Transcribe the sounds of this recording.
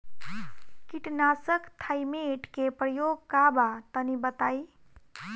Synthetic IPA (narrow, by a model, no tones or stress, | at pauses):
kiʈnasəkt̪ʰajmeʈkepɾəjoɡ̚kabat̪ənibət̪aj